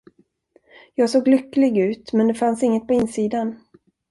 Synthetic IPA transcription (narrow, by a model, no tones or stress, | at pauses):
jɑːɡsoːɡlʏkːlɪɡʉ̟ːt̪mɛnd̪ɛfansɪŋːət̪̚pʰɔɪnːsiːd̪an